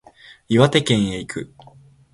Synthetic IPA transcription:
iβat̪e̞kẽ̞ɰ̃eikʰɯ̟

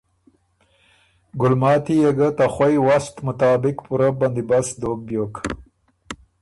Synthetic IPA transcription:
ɡʊlmɑːt̪ijɐɡat̪axɐjwast̪mʊt̪ɑːbɪkpuɾaband̪ibasd̪oːk̚bjoːk

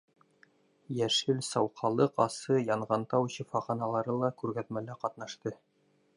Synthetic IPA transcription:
jæʃɘlsɑwqʰɑlˠɤqɑsɤjɑɴʁɑnt̪ɑwɕɤ̆fɑχɑnɑlˠɑɾɤlˠɑkʉɾɡæt̪mælæqɑt̪nɑʃt̪ɤ

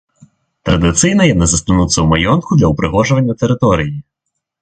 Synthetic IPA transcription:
t̪ɾɐd̪ɪt̪sɨjnɐjɛnɛzɐst̪ɐnut̪sʲɐwmɐjɔnkʊd̪lʲɐʊpɾɪɦɔʒʊʋɐnʲːɐt̪eɾɪt̪ɔɾʲiji

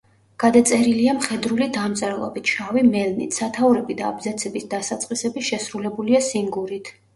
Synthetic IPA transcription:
ɡ̥ad̪at̪sʼɛɾiliamχɛd̪ɾulid̪amt̪sʼɛɾlˠɔ̰bit̪ʰʃavimɛlnḭt̪ʰsat̪ʰauɾɛbid̪aːbzat̪sʰɛbisd̪asat̪sʼqʼisɛbiʃɛsɾulɛbuliasiŋɡuɾit̪ʰ

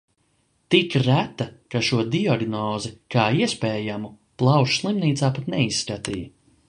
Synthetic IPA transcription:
t̪ikɾæt̪ːakaʃuɔd̪iaɡnɔːzɛkaːiɛspeːjamu | plˠɑwʃslˠimniːt̪saːpat̪nɛisːkat̪ḭː

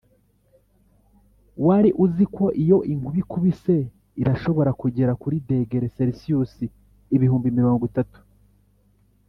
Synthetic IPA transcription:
waɾiʔuziko̞ʔijo̞ʔiŋɡuβikuβise̞ | iɾaʃo̞βo̞ɾakuɟe̞ɾakuɾide̞ːɡe̞ɾe̞seɾisiusiː | βihuːmbimiɾo̞ːŋɡwitatu̥

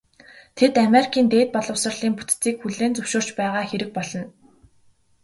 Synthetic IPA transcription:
t̪ʰet̪ameɾikʰiːnt̪eːt̪̚pɔɮɞ̆wsə̆rɮ̥iːŋput̪t͡siːkxuɮeːnt͡sɵwʃoːr̥t͡ɕpæːʁaːxeɾɘ̆k̚pɔɮɞ̆n

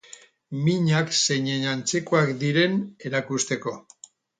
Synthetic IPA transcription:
miɲakse̞ɲeɲant͡se̞koakd̪iɾe̞ne̞ɾakust̪e̞ko̞

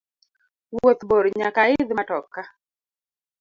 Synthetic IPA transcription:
wot̪boɾɲakaɪd̪matɔkːa

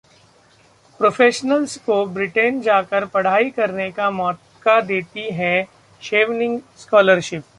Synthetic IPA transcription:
pɾofʰeːʃnəlskobɾɪʈend͡ʒaːkəɾpɐɽ̤aːikɐɾnekamɔːt̪kad̪eːt̪iɦɛ | ʃeːʋnɪ̃ŋɡskɔːləɾʃɪp̚

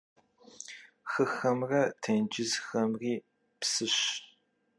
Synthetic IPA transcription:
xɨxɐmrɐtʰend͡ʒɪzxɐmriː | psɨɕ

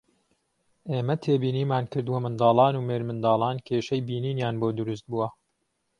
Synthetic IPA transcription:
ʔeːmɐt̪ʰeːbiːniːmaːnkɨɾd̪uwɐmɨnd̪ɑːlˠɑːnuːmeːɾmɨnd̪ɑːlˠɑːnkʲʰeːʃɐjbiːniːnjaːnboːd̪ʊɾʊs̬t̪̚buwɐ

